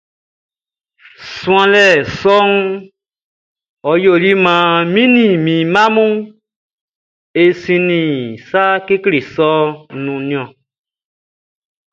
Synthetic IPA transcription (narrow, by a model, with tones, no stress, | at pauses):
sũ˦ã˨lɛ˨sɔ˦ŋ˦ | ɔ˨jo˨li˦mã˨mĩ˦nĩ˨mĩ˨mã˦mũ˦ | e˨sĩ˧nĩ˨sa˦ke˦kle˨sɔ˦nũ˨nĩ˧˦ɔ̃˨